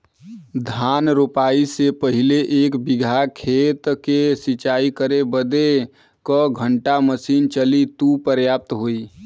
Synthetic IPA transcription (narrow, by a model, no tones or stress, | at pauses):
d̪ʱanɾopaisepəɦileʔeːkbɪɡʱakʰet̪kesit͡ʃaikəɾebəd̪e | kəɡʱəɳʈaməsiːnt͡ʃəlit̪upəɾjaːp̚t̪ɦoːi